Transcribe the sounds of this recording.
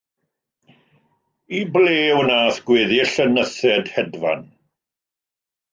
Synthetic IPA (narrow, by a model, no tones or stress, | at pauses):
ibleːwənaːθɡ̥wɪːðiɬənəθɛdhɛdva̰n